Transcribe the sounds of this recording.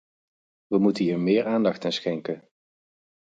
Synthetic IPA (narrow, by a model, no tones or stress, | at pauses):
ʋəmutəɦiːɹmɪːɹaːndɑχtənsχɛŋkən